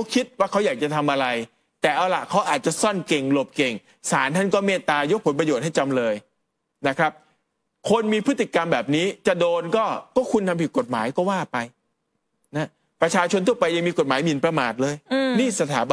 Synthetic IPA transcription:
wkʰi˦˥t̪̚waː˥˩kʰa˦˥wjaː˨˩k̚t͡ɕa˨˩t̪ʰa˧mʔa˧ɾa˧j | t̪ɛː˨˩ʔa˧wla˨˩kʰa˦˥wʔaː˨˩t̪̚t͡ɕa˨˩sɔ˥˩nke˨˩ŋlo˨˩p̚ke˨˩ŋ | saː˩˦nt̪ʰa˥˩nkɔː˥˩meː˥˩t̪aː˧jo˦˥k̚pʰo˩˦npɾa˧joː˨˩t̪̚ha˥˩jt͡ɕa˧mlɤː˧j | na˦˥kʰɾa˦˥p̚ | kʰo˧nmiː˧pʰɯ˦˥t̪ːi˨˩ka˧mbɛː˨˩p̚niː˦˥t͡ɕa˨˩doː˧nkɔː˥˩kɔː˥˩kʰu˧nt̪ʰa˧mpʰi˨˩ko˨˩t̪̚ma̰ː˩˦jkɔː˥˩waː˥˩pa˧j | na˦˥ | pɾa˧t͡ɕʰaː˧t͡ɕʰo˧nt̪ʰu˥˩ɐpa˧ja˧ŋmiː˧ko˨˩t̪̚maː˩˦jmi˨˩˦npɾa˧maː˨˩t̪̚lɤː˧jniː˥˩sa˧t̪ʰaː˩˦b

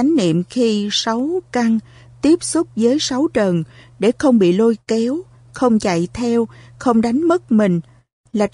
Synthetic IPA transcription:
a˨˦ŋ̟nḭ˧˨əmxi˧sa˨˦wka˧ŋ | t̪i˦˥əp̚su˦˥k͡p̚zəː˨˦jsa˨˦wt͡ɕə˨˩nɗe˧˩xə˧wŋ͡mɓḭ˧˨lo˧jkɛ˨˦w | xə˧wŋ͡mt͡ɕa̰˧˨jt̪ʰɛ˧wxə˧wŋ͡mɗa˨˦jŋ̟mə˦˥t̚mï˨˩ŋ̟ | laː˨˩

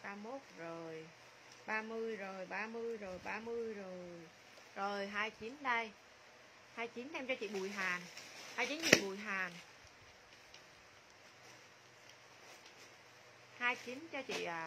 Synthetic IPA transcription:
ɓaː˧mo˦˥t̚zo˨˩j | ɓaː˧mɨ˧əjzo˨˩jɓaː˧mɨ˧əjzo˨˩jɓaː˧mɨ˧əjzo˨˩j | zo˨˩jɦaː˧jt͡ɕi˨˦nɗə˧j | haː˧jt͡ɕi˨˦nɗɛ˧mt͡ɕɔ˧t͡ɕḭ˧˨ɓu˨˩əjɦaː˨˩nhaː˧jt͡ɕi˨˦nt͡ɕḭ˧˨ɓu˨˩jɦaː˨˩n | haː˧jt͡ɕi˨˦nt͡ɕɔ˧t͡ɕḭ˧˨ʔ

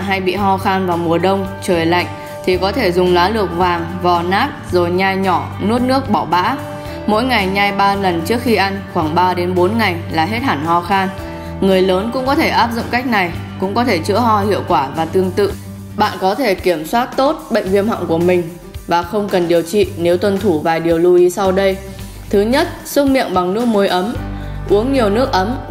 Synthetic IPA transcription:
ɦa˧jɓḭ˧˨ɦɔ˧xaː˧nvaː˨˩wmu˨˩əɗə˧wŋ͡mt͡ɕəː˨˩jla̰˧˨jŋ̟ | t̪ʰi˨˩kɔ˨˦t̪ʰe˧˩zʊ˨˩ŋ͡mlwaː˨˦lɨ˨˩ək̚vaː˨˩ŋvaː˨˩naː˦˥t̚zo˨˩jɲaː˧jɲɔ˧˩nu˦˥ət̚nɨ˦˥ək̚ɓɔ˧˩wɓa̰ː˧˥ | mo̰˧˥jŋa˨˩jɲaː˧jɓaː˧lə˨˩nt͡ɕɨ˦˥əkxi˧ʔa˧ŋ̟xwaː˧˩ŋɓaː˧ɗe˨˦nɓo˨˦nŋa˨˩jlaː˨˩ɦe˦˥t̚haː˧˩nhɔ˧˩xaː˧n | ŋɨ˨˩əjləː˨˦nkʊ̰˧˥ŋ͡mkɔ˨˦t̪ʰe˧˩ʔaː˦˥p̚zʊ̰˧˨ŋ͡mka˦˥k̚na˨˩jkʊ̰˧˥ŋ͡mkɔ˨˦t̪ʰe˧˩t͡ɕɨ̰˧˥əɦɔ˧hḭ˧˨əwkwaː˧˩vaː˨˩t̪ɨ˧əŋt̪ɨ̰˧˨ | ɓa̰ː˧˨nkɔ˨˦t̪ʰe˧˩ki˧˩əmswaː˦˥t̚t̪o˦˥t̚ɓə̰˧˨ŋvḭ˧ənhɔ̰˧˨wŋku˧˩əmï˨˩ŋ̟ | vaː˨˩xə˧wŋ͡mkə˨˩nɗi˨˩əwt͡ɕḭ˧˨ne˨˦wt̪wə˧nt̪ʰu˧˩vaː˨˩jɗi˨˩əwlu˧ʔi˨˦sa˧wɗə˧j | t̪ʰɨ˨˦ɲə˦˥t̚sʊ˧ŋ͡mmḭ˧˨ənɓa˨˩ŋnɨ˦˥ək̚mo˨˦jʔə˨˦mʔu˨˦əŋɲi˨˩əwnɨ˦˥ək̚ʔə˨˦m

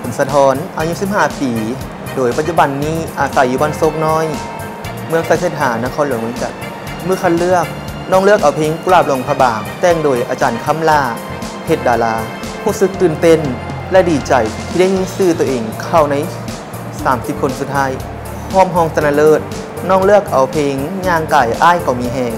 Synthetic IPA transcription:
pʰo˨˦nsa˧t̪ʰɔː˧˥nʔaː˧ɲu˦˧˥si˧p̚haː˧˩piː˨˦ | doː˨˩jpa˧t̪̚t͡ɕu˧ba˧nːiː˧˥˩ʔaː˨˩sa˨˩juː˧ba˧˨nso˧˥k̚nɔː˧˥˨j | mɯ˧˥əŋsa˧˩sʰeː˧˩t̪̚ɦaː˨˩˦naː˧˥kʰɔː˧˥nlu˨˩˦mɯ˧ə˦ŋt͡ɕa̰˨˩k̚ | mɯː˧˥˨kʰa˧˨nlɯ˥˩ək̚ | nɔː˧˩ŋlɯ˥˩ək̚ʔa˨˩wpʰeː˧˥˨ŋklaː˧˩p̚lɔː˧˩˦ŋpʰa˧baː˨˩ŋt͡ɕ̪ɛː˧˩ŋdoː˨˩jʔa̰ː˧˩t͡ɕaː˨˩nkʰa˧˥˨mlaː˧˩ | he˧˩t̪̚daː˨˩laː˧˥ | huː˧˥˨sɯ˧k̚t̪ɯː˨˩nt̪e˧˩˨n | lɛ˧˥diː˨˩t͡ɕa˨˩jt̪ʰiː˧da˥˩jɲiː˧˥˨sɯː˧˩t̪u˧˩ʔeː˨˩ŋkʰa˧˩wna˧˩j | saː˨˩˦msi˧p̚kʰo˧nsu˧t̪̚ʰːaː˧˥j | hɔː˧˥˩mɦɔː˧˩ŋsa˧na˧lɤː˧˥˩t̪̚ | nɔː˧˥˨ŋlɯ˥˩ək̚ʔa˨˩wpʰeː˧ŋɲaː˧˩ŋkaː˨˩jʔaː˧˥˨jka˧˩wmiː˧˩ɦɛː˧˩ŋ

